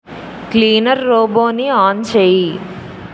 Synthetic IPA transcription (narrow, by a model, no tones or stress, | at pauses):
kliːnɐɾːoːboːniaːnt͡ʃeːji